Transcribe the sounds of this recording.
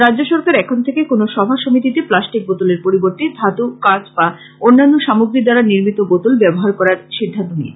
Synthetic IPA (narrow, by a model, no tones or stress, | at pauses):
ɾadːʑoʃɔɾkaɾɛkʰont̪ʰekekonoʃɔbʱaʃomit̪̬it̪eplasʈik̚bot̪oleɾpoɾiboɾt̪id̪ʱat̪ukat͡ɕba | onːanːoʃamuɡɾid̪aɾaniɾmit̪oɡot̪olbɛboɦaɾkɔɾaɾʃid̪ʱːant̪onḭ